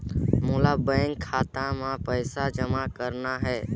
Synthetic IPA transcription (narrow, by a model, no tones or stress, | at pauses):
moːlabə̃ŋɡkʰaːt̪ãmãpəjsad͡ʒəmakəɾnaɦɛː